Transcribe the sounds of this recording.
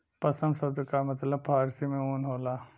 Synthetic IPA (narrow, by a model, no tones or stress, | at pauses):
pɐsəmsɐd̪kamɐt̪ləb̚pʰaːɾsimẽoːnɦoːlaː